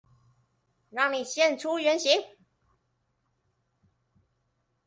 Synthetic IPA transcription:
ɻɑ˥˩ŋni˨˩ɕjɛ˥˨nʈ͡ʂʰu˦ɥɛ˧˥nɕi˧˥ŋ

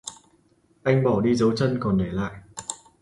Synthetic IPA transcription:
ʔa˧jŋ̟ɓɔ˧˩ɗi˧zə˨˦wt͡ɕə˧nkɔ˨˩nɗe˧˩la̰ː˧˨jʔ

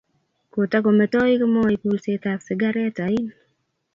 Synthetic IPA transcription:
ko˨ta˦k̬o˨mɛ˨tɔ˦ɪ˦kɪ˦mɔ˦ɪku˦lse˦t̪aksɪ˨ɡa˦ɾɛ˦ta˨ɪ˦n

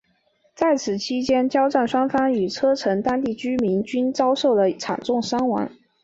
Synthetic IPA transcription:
t͡sa˥˩ɪt͡sʰɹ̩˨˩t͡ɕʰi˥t͡ɕjɛ˥nt͡ɕjɑ˥ʊʈ͡ʂa˥˩nʂwa˥ŋfa˥ny˨˩t͡sʰɤ˥ʈ͡ʂʰɤ˧˥ŋt̪a˥nt̪i˥˩t͡ɕy˥mi˧˥nt͡ɕy˥nt͡sɑ˥ʊʂo˥˩ʊd̪ə˩ʈ͡ʂʰa̰˨˩nt͡sʊ˥˩ŋʂa˥ŋwa̰˧˥n

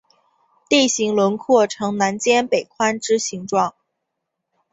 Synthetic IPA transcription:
t̪i˥˩ɕi˧˥ŋlwə˧˥nkʰɔ˥˩ʈ͡ʂʰɤ˧˥ŋna˧˥nt͡ɕjɛ˥npe˨˩ɪkʰwa˥nʈ͡ʂɻ̩˥ɕi˧˥ŋʈ͡ʂwɑ˥˩ŋ

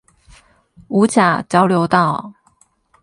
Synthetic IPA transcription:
u˧˥t͡ɕja˨˩˦t͡ɕjɑ˥ʊljo˧˥ʊt̪ɑ˥˩ʊ

